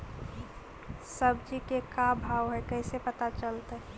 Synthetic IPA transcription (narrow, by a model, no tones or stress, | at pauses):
səbd͡ʒikekabʱaʋɦɛkɛɪsepət̪at͡ʃəlt̪aɦ